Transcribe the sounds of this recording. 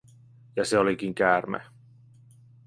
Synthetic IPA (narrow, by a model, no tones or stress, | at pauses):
jɑseolikiŋkæːrmæ̰